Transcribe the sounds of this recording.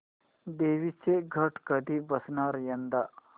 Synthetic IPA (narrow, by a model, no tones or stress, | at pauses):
d̪eːʋit͡ʃːeɡʱɐʈkɐd̪ibɐsnaːɾjɐnd̪ɐ